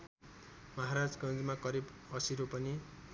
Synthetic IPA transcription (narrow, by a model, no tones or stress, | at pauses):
mʌɦaɾad͡zɡʌ̃nd͡zmakʌɾibʌsiɾopʌni